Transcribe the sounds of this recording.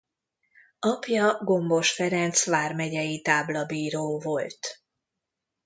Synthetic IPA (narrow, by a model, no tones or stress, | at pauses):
ɒpjɒɡo̞mbo̞ʃfɛɾɛnt̪sʋaːrmɛɟɛjit̪aːblɒbiːɾoːvo̞lt̪